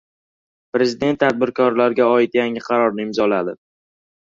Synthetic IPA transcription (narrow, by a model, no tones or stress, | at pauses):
pɾe̞zɪd̪e̞nt̪ːʰad̪̚bɪɾkʰɒɾlaɾɡʲaɒɪt̪jaŋɪqʰɑɾɒɾnɪɪmzɒlad̪ɪ